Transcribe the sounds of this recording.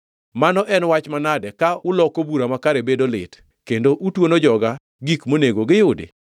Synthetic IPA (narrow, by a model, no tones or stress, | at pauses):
manɔʔɛnwat͡ʃmanadɛkaʊlɔkobuɾamakaɾebedolɪ̰t | kendoʔutwonod͡ʒɔɡa | ɡikmoneɡoɡɪjʊdḛ